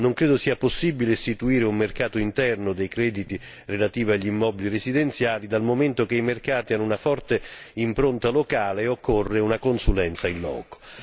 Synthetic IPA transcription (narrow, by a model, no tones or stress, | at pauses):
noŋkɾɛːd̪osiːaposːibileːst̪it̪uiːɾeumːerkaːt̪oint̪ɛrnʊd̪ejkɾɛːd̪it̪i | relat̪iːviaʎːimːɔːbilirezid̪ent̪sjaːlid̪almoment̪ok̟eimerkaːt̪ianːunafɔrt̪eimpɾont̪alokaːleːokʰːorːeunakonsulɛnt̪sainlɔ̰ːko̥